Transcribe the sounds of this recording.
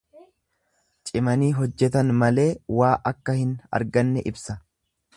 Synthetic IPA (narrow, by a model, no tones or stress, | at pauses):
t͡ʃʼɪmɐniːɦɔd͡ʒːɛt̪ɐnmɐle̞ːwaːʔɐkːɐhɪnɐ̰ɾɡɐnːɛʔɪbsɐ